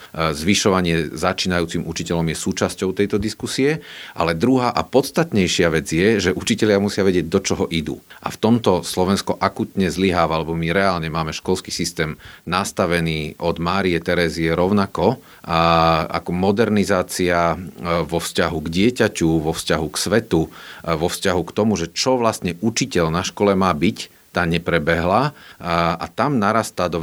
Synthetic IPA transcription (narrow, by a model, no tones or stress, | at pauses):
zʋiʃɔʋaɲɪɛzat͡ʃiːnajuːt͡simʔut͡ʃicɛʎɔmjɛsuːt͡ʃascɔʊt̪ɛjt̪ɔd̪iskusiɛʔa̰lɛd̪ɾuɦaːʔapɔt̪st̪at̪ɲɛjʃɪaʋɛd͡zjɛʒɛʔut͡ʃicɛʎɪamusɪaʋɛɟɪɛɟ̚d̪ɔt͡ʃɔɦɔʔid̪ṵːʔa̰ft̪ɔmt̪ɔslɔʋɛnskɔʔakut̪ɲɛzliɦaːʋalɛbɔmiɾɛaːlɲɛmaːmɛʃkɔlski̥sist̪ɛːmnast̪aʋɛniːʔɔd̪maːɾijɛt̪ɛɾɛziɛɾɔʊnakɔ | a̰kɔmɔd̪ɛɾnizaːt͡siaʋɔfscaɦuɡɟɪɛcacuʋɔfscaɦuksʋɛt̪uʋɔfscaɦukt̪ɔmuʒɛt͡ʃɔʋlast̪ɲɛʔut͡ʃicɛʎnaʃkɔlɛmaːbic | t̪aːɲɛpɾɛbɛɦla | a̰t̪amnaɾast̪aːd̪ɔ